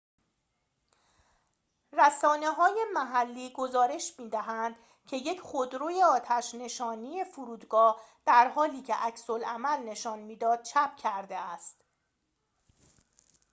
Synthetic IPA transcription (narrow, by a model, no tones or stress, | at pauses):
ræsɒːne̞ɦɒːje̞mæɦælːiːɡo̞zɒːɾe̞ʃmiːd̪æɦænd̪̥ | cʰe̞je̞cʰχod̪ɾoːje̞ɒːt̪ʰæʃne̞ʃɒːniːje̞fuɾuːd̪ɡɒːd̪̥æɾhɒːliːcʰḛʔæcso̞lʔæmælne̞ʃɒːnmiːd̪ɒːd̪̥̚t͡ʃʰæp̚ʰcʰæɾd̪eæst̪